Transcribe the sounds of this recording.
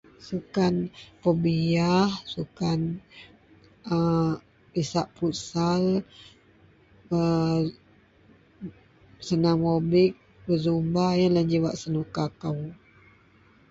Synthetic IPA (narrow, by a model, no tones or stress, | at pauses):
sukanpəbiahsukan | ə | pisaʔpusal | ə | sənaŋobɪk̚ | bəzumbahjanland͡ʒiwaʔsənukakaw